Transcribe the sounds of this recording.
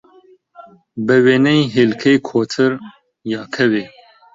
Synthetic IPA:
bəweːnɐjɦelkʰejkʰoːt̪ʰɨɾ | jɑːkʰɐweː

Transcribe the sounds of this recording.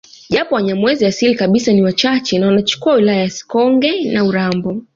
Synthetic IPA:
ʄapɔwaɲamwɛziasilikaɓisaniwat͡ʃat͡ʃɛnawanat͡ʃu̥kuawilajajasi̥kɔŋɡɛnauɾambɔ

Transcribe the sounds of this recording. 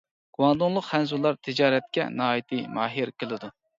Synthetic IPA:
ɡ̥uwɑnd̪ʊŋlˠʊqχɛnzulˠːɑɾt̪ʰɪd͡ʒɑːɾɛt̪̚kʲɛ̰nɑːjit̪ʰɨmɑːɦiɾkʲelˠɪd̪u

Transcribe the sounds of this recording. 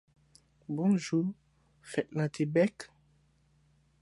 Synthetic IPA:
bɔ̃ʒu | fɛt̪̚nãtʰebɛk

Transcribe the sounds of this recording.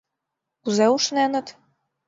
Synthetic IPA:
kuzeuʃnenə̆t̪

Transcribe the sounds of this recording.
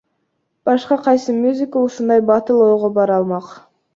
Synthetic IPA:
b̥ɑʃqɑqʰɑjsɨmʲjuzʲɪkəuʃund̪ɑjbɑt̪ɯlˠoːʁobɑɾɑlˠmɑq

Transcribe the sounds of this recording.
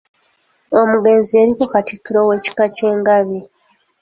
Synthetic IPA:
o̞muɡe̞ːnzie̞ɾikokatikːiɾo̞we̞ːci̥kace̞ːŋɡaβi

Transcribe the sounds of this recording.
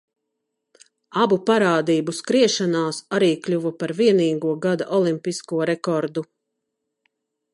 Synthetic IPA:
abupaɾaːd̪iːbuskɾiɛʃanaːsaɾiːklʲuvapaɾviɛniːɡuɔɡad̪aʔɔlˠimpiskuɔɾɛkɔɾd̪u

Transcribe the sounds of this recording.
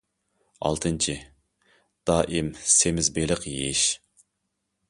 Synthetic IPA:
ɑ̰lˠt̪ʰɨnt͡ʃʰi | d̪̥ɑːʔimsemɪzbelɪqjeʃ

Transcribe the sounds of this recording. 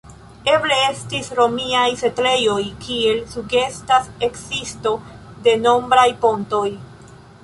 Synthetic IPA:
e̞ble̞e̞stisɾo̞miajse̞tle̞jo̞jkʰie̞lsuɡe̞stase̞ksisto̞ | de̞no̞mbɾajpo̞nto̞j

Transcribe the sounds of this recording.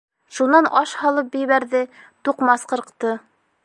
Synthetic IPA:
ʃunɑnʔɑʃhɑlˠɤp̚bɘ̆jβæɾðɘt̪uqmɑsqɤ̆ɾqt̪ɤ

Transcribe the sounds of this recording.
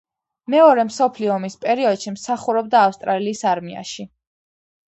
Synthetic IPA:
mɛɔɾɛmsɔpʰliɔːmispʼɛɾiɔd̪̥ʃimsaχuɾɔb̚d̪aːfst̪ʼɾaliːsaɾmia̰ʃi

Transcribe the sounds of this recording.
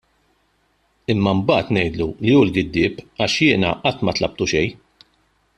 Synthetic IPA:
ɪmːɐmbɐːt̪nɛjd̪lulijuːlɡɪd̪ːɪːpɐʃjɪːnɐ̰ʔɐt̪ːmɐt̪lɐp̚t̪uʃɛj

